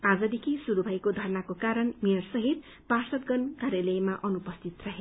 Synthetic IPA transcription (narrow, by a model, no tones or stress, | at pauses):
ad͡zʌd̪ikʰisuɾubʱʌjkod̪ʱʌrnakokaɾʌnmiʌrsʌɦit̪̚ | parsʌt̪̚ɡʌnkaɾelʌjmaʔʌnupʌst̪ʰit̪rʌɦe